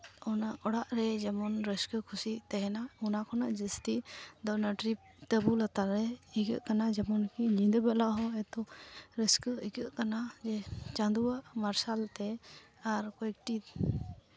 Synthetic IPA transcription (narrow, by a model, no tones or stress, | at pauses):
ɔnaʔɔɽaʔɾɛd͡ʒɛmɔnɾəskəkʰusit̪ɛɦɛnaɔnakʰɔnaʔd͡ʒəst̪iʔd̪ɔnaʈɾip̚t̪əbulat̪alɾɛiɡə̰ʔkanad͡ʒɛmɔnkiɲĩd̪bɛlaʔɦɔɛt̪ɔɾəskəiɡəʔkanad͡ʒɛt͡ʃãd̪uaʔmaɾsalt̪ɛ | aɾkɔɛk̚ʈit̪